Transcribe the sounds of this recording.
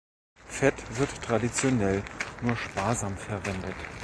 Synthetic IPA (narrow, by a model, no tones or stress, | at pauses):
fɛtv̥ɪɐttʁ̥adit͡sjonɛlnuːɐʃpaːɐzaːmfɛɐvɛndət